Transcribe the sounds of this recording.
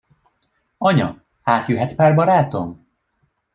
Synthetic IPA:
ɒɲɒ̰ | aːt̪jyɦɛt̪paːrbɒɾaːt̪o̞m

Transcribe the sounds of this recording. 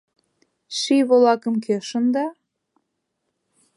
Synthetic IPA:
ʃiβolɑkə̆mkʰeʃə̆nd̪ɑ

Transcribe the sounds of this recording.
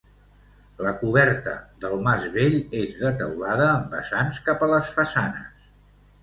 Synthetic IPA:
ləkuβɛɾt̪ə̰ðəlˠmazβeʎezðət̪ə̰wlaðəːmbə̰sanskapələsfəsanə̰s

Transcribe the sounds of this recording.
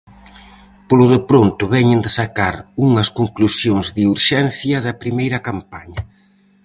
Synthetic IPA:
polʊðɪpɾont̪ʊβɛɲɪnd̪ɪsakaɾuŋɐskoŋklusjoŋzðiuɾʃɛnθjɐðɐpɾimejɾɐkampaɲɐ

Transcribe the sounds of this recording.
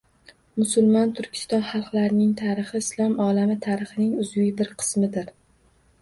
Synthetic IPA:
mʊsʊlˠmɒnt̪ʰʊɾkʲʰɪ̥st̪ɒnχɑlˠqlaɾɪnɪŋt̪ʰaɾɨχɨɪslˠɒmɒlamɪt̪ʰaɾɨχɨnɪŋʊzijbɪɾqʰɨ̥smɪd̪ɪɾ

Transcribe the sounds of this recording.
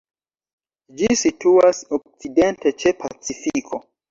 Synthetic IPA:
d͡ʒisituasok̚t͡sidentet͡ʃepʰat͡sifikʰo

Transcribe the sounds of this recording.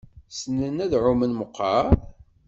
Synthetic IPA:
sənənæðʕʊmənməqːɑ

